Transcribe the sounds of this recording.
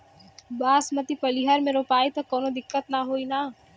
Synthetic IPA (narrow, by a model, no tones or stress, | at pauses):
baːsmət̪ipəliɦəɾmẽɾoːpaːit̪ɐkoːnod̪ɪkːət̪naɦoːina